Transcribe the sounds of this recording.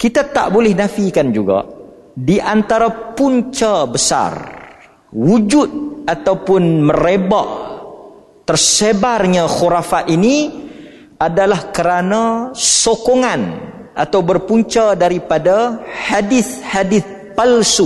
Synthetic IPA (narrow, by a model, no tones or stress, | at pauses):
kit̪at̪a̰ʔbolɛhnãfikand͡ʒuɡa̰ | diʔant̪aɾapuɲt͡ʃabəsa̰r | wud͡ʒʊt̪̚at̪awpʊnmə̃ɾeba̰ʔ | t̪ərsebarɲãxuɾafaini | adalahkəɾanãsokoŋanʔat̪awbərpuɲt͡ʃadaɾipadahadɪθhadɪθ | palsu